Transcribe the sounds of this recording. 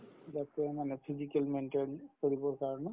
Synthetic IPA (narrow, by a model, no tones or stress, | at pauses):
zatɛmanɛpʰizikɛlmɛntɛnkoɹibɔɹkaɹɔnɛ